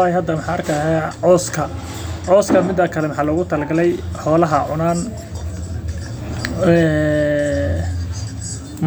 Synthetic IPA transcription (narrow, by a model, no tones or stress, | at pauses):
ajɦɐd̪ɐmɑħɑːɐrkʰaɦaːʕɔːskʰɐ | ʕɔːskʰɐmɪd̪ɐkʰɐlɛmɑħɑːlɔːɣʊt̪ʰɐlɡɐlɛjħɔːlɐɦɐʕʊnaːn | ɛ | m